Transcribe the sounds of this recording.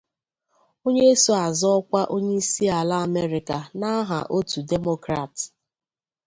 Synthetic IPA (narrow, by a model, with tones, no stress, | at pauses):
o˦ɲe˦e˦so˦a˨zɔ˦ɔ˦kʷa˦ʔo˦ɲe˦i˦si˦a˨la˦a˦˨me˦ɾi˨ka˨na˦ɦa̰˨ʔo˦tu˨de˦mo˦kɾa˨t